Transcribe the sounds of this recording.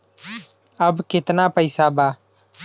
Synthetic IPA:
əbkɪt̪napəɪsabaː

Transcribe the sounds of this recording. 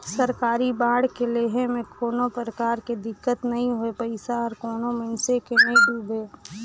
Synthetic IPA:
səɾkaːɾibaːɽkeleːɦemẽkʰoːnopɾəkaːɾked̪ɪkːət̪nəɦĩɦoepəɪsaɔːɾkoːnomənsekeneɖuːbʱeː

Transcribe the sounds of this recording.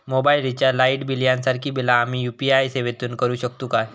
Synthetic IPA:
mobailit͡ɕjalaiʈbiljãnsaɾkʰiːbilaːm̤iːjupiajseʋet̪uːnkəɾuːɕəkt̪uka

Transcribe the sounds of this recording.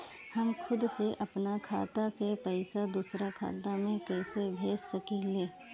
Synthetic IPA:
hɐmkʰʊd̪seʔɐpnakʰaːt̪asepɛɪsad̪usɾakʰa̰ːt̪amẽkɛːsebʱeːssɐkileː

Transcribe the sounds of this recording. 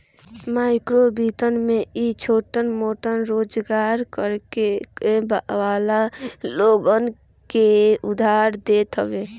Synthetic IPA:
maːɪkɾobiːt̪ənmeit͡ʃʰoːʈənmoːʈənɾoːd͡ʒɡaːɾkəɾkeebaʋaːlaloːɡən | keʊd̪ʱaːɾd̪eːt̪ɦəbeː

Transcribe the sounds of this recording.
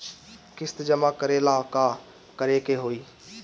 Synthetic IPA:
kɪst̪d͡ʒəmakəɾelaːkaː | kəɾeːkeɦoːiː

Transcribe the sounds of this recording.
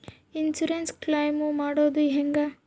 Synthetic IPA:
insuɾensklajmumaːɽoːd̪uɦeŋɡa

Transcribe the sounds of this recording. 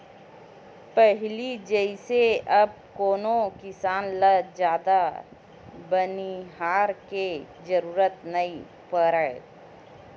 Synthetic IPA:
pɛɦlid͡ʒəiseɐb̚koːnokɪsaːnləd͡ʒjaːd̪a | bəniɦaːɾke | d͡ʒəɾuːɾət̪nəi | pəɾəe

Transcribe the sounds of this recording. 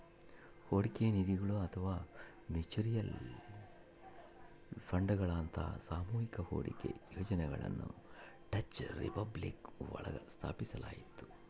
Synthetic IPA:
hoːɽikenid̪iɡɐɭuɐt̪ʰɐʋaː | met͡ʃiɾijɐl | pʰɐɳɖɡɐɭaːnt̪ʰɐ̰saːmuːɦikɐho̰ːɽḭkḛjoːd͡ʒɐnɛɡɐɭɐ̰nːṵ | ʈɐt͡ʃɾḭpɐblikʋɐ̰ɭɐ̰ɡɐst̪ʰa̰ːpisɐla̰ːjit̪ːu̥

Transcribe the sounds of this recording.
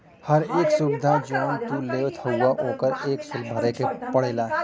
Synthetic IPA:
hɐɾeːksubɪd̪ʱad͡ʒɔːnt̪uːleːwt̪ʰɐwːaʔoːkəɾeːksʊlbʱəɾekepɐɽ̤eːlaː

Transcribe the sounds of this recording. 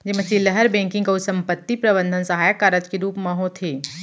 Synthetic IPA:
d͡ʒɪmɐ̃t͡ʃiləɦəɾbɛ̃ŋkɪ̃ŋɡkaʊsɐ̃mpət̪ːipɾɐbə̃nd̪ʱənsɐɦaːjəkːaːɾəd͡ʒkeɾuːpmɐɦõt̪ʰeː

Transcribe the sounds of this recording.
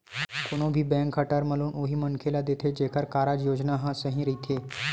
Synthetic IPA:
koñõbʱiːbɛ̃ŋkʰːəʈəɾməluːnoːɦimənkʰelad̪et̪ʰed͡ʒekʰəɾkaːɾad͡ʒjoːd͡ʒnaɦãsəɦĩɾəit̪ʰe

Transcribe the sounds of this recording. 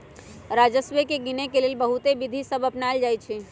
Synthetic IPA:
ɾad͡ʒəsʋekeɡinekelelbəɦut̪ebid̪ʱisəbəpnaeld͡ʒajt͡ʃʰɛ

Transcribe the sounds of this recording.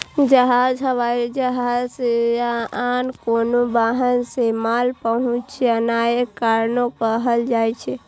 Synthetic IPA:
d͡ʒəɦad͡ʒəʋad͡ʒəɦase | ankonobaɦənsemalpəɦũt͡ʃt͡ʃʰɛənajekaɾnokəɦəld͡ʒajt͡ʃʰɛ

